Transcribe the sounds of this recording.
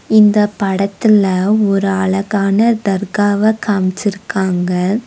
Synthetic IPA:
ɪnd̪ɐpɐɽɐt̪ːɪlɐɔɾɯɐɭɐɣaːnɐd̪ɐɾɣaːʋɐkʰamt͡ʃɪɾɯkːaːŋɡɐ

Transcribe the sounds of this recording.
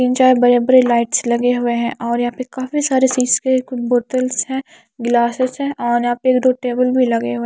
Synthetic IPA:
kɪnt͡ʃaːɦebɐɾebɐɾelaːɪʈslɐɡeɦʊeɦɛ̃ʔɔːɾjɐɦãpekaːfisaːɾet͡ʃiːzkekboːʈəlsɦɛ̃ː | ɡlaːsɪsɦɛ̃ʔɔːɾjɐɦãːpeeːk̚d̪oːʈeːbəlbʱilɐɡeɦʊẽ

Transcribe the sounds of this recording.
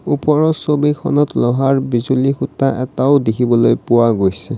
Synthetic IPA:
upɔɹɔsobikʰɔ̰nɔtlɔɦaɹbizulixutaʔɛtaʊdekʰibɔlojpʊwaɡojsɛ

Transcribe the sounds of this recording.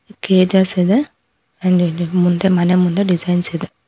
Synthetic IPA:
keːd͡ʒased̪e | ɐɳɖimund̪emɐnemund̪eɖid͡ʒɐjnsed̪e

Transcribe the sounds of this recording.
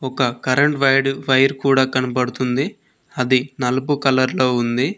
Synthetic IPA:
ɔkɐkɐɾɐɳʈʋɐjɽʋɐjɐɾkuːɽaːkɐnɐpɐɽut̪und̪i | ɐd̪inɐlup̬ukɐlɐɾlo̞ːund̪i

